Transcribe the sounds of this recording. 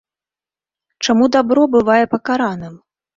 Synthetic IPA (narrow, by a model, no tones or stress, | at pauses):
t͡ʂamud̪abɾɔbɨvajɛpɐkaɾanɨm